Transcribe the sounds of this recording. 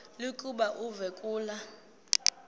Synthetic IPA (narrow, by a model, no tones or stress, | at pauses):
likʼuɓaʔuvɛkʼuːla